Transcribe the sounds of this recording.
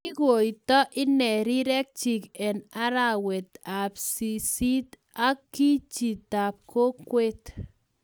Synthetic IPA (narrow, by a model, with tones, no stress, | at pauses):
i˦ɡo˨i˨t̪ɔ˦ʔɪ˦nɛ˨ɾi˦ɾɛ˦k̚t͡ʃi˨kɛ˨na˦ɾa˨wɛ˨t̪a˨psi˨si˦t̪ | a˦kːi˦t͡ʃi˨t̪a˨p̚kʰo˦kwe˦t̪